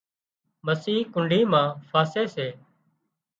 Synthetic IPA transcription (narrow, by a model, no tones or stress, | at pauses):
məsiːkʊɳɖʱiːmãːfʰaːseːseː